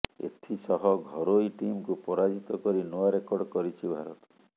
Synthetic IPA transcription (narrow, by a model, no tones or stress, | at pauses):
ḛt̪ʰisɔɦɔɡʱɔɾojʈimkupɔɾad͡ʒit̪ɔkɔɾinoaɾekɔɾɖkɔɾit͡ʃʰibʱaɾɔt̪